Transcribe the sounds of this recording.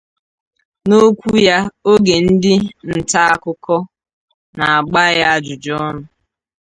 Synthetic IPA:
no˦kʷu˦ja˦o˦ɡe˨n̩˦dɪ˦n̩˨ta˦a˦kʊ˦kɔ˦ | na˨a˨ɡ͡ba˦ja˦a˦d͡ʒʊ˨d͡ʒɔ˦nʊ˨

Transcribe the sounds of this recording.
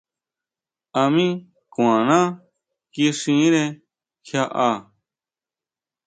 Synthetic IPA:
a˧mĩ˦ | kũ˨ã˨nãː˦ | ki˦ʂĩ˨˦ɾẽ˧ | kʰja˦ʔa˧

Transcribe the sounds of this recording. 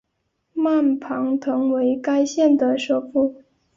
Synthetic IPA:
ma˥˩npʰɑ˧˥ŋt̪ʰɤ˧˥ŋwe˧˥ɪka˥ɪɕjɛ˥˩nd̪ə˩ʂo˥˧ʊfu˥˩

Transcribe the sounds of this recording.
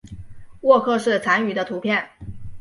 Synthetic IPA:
wɔ˥˧kʰɤ˥˧ʂɻ̩˥˩t͡sʰa˧˥ny˨˩d̪ə˦t̪ʰu˧˥pʰjɛ˥˩n

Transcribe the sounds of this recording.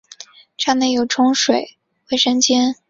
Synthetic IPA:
ʈ͡ʂa˥˩nə˨˩jo˨˩ʊʈ͡ʂʰʊ˥ŋʂwe˨˩˦ɪ | we˧˥˩ɪʂə˥nt͡ɕjɛ˥n

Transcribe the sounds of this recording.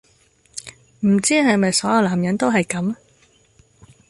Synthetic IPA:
m̩˨˩t͡siː˥ɦɐ˨jmɐ˨jsɔː˨˥jɐ˨˧wlaː˨˩mjɐ˨˥nt̪o˥wɦɐ˨jkɐ˨˥m

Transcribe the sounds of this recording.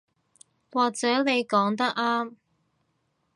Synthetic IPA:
waː˨k̚t͡sɛː˨˥ne˨˧jkɔː˨˥ŋt̪ɐ˥k̚aː˥m

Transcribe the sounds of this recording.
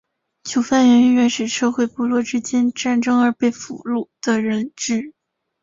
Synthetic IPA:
t͡ɕʰjo˧˥ʊfa˥˩nɥɛ˧˥n˧˥ɥɛ˧˥nʂɻ̩˨˩ʂɤ˥˧xwe˥˩ɪpu˥˧lwɔ˥˩ʈ͡ʂɻ̩˥t͡ɕjɛ˥nʈ͡ʂa˥˩nʈ͡ʂɤ˥ŋə˞˧˥pe˥˩ɪfṵ˨˩lu˥˩d̪̥ə˨ɻə˧˥nʈ͡ʂɻɻ̩˥˩

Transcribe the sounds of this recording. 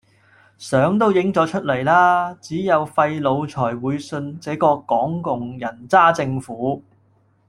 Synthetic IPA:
sœː˨˥ŋt̪̬o˥wjɪ˨˥ŋt͡sɔː˨˥t͡ʃʰɵ˥t̚le˨˩jlaː˥t͡siː˨˥jɐ˨˧wfɐ˧jlo˨˧wt͡sʰɔː˨˩jwuː˨˧jsɵ˧nt͡sɛː˨˥kɔː˧kɔː˨˥ŋkʊ˨ŋjɐ˨˩nt͡saː˥t͡sɪ˧ŋfuː˨˥

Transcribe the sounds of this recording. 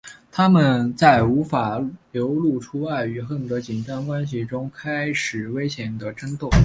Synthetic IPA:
t̪ʰa˥mə˨nt͡sa˥˩ɪu˧˥fa˨˩ljo˧˥ʊlu˥˩ʈ͡ʂʰu˥wa˥˩ɪy˨˩xə˥˩nt̪ɤ˧˥t͡ɕi˨˩nʈ͡ʂɑ˥ŋkwa˥nɕ̬i˨˩ʈ͡ʂʊ˥ŋkʰa˥ɪʂɻ̩˨˩we˥ɪɕjɛ˨˩nd̪ə˧ʈ͡ʂə˥nt̪o˥˩ŋ

